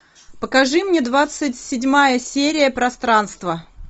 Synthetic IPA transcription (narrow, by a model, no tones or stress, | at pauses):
pəkɐʐɨmnʲed̪vat̪sɨtʲsʲɪdʲmajəsʲeɾʲɪjəpɾɐst̪ɾanst̪və